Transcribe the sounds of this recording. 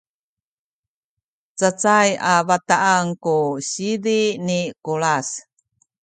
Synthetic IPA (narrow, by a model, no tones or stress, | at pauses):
t͡sət͡sajavataʔːŋkuɕidinikuɭas